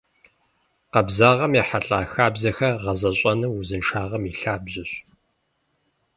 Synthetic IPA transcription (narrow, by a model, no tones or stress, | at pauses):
qɐbzaːʁɐmjaːħaɬʼaːxaːbzɐxɐʁɐzɐɕʼɐnɨwuzɨnʂaːʁɐmiɬaːbʑɪɕ